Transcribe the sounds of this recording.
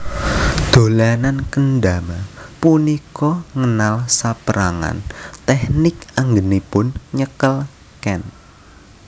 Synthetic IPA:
d̪̥o̤lanankənɖamapunikɔŋənalsapəɾaŋa̰nt̪ɛhnɪkʔaŋɡənipʊnɲəkəl | kɛn

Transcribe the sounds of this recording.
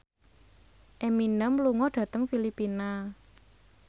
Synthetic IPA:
ʔeminəmluŋɔɖ̥ä̤t̪əŋfilipina

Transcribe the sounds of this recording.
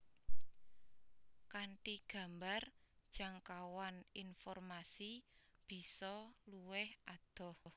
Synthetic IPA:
kaɳʈiɡ̥a̤mbard̥ʒ̥a̤ŋkawaninfɔrmasib̥i̤sɔluwɛhʔad̪̥ɔ̤hh

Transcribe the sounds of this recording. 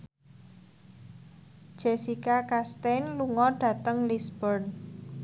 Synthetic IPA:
d̥ʒ̥esikakast̪enluŋɔɖ̥ä̤t̪əŋlisbərn

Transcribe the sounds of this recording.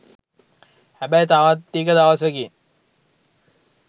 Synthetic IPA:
hæbajt̪aʋat̪ːikəd̪aʋasəɡi

